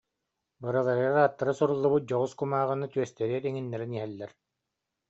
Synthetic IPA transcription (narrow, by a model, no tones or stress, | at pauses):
bɯɾɯlˠaɾɯaɾaːt̪ːaɾɯsuɾulˠːubɯt̪̚d͡ʑɔʁuskumaːʁɯnat̪yœst̪ɛɾiɛɾiŋinːɛɾiniɦɛlːɛɾ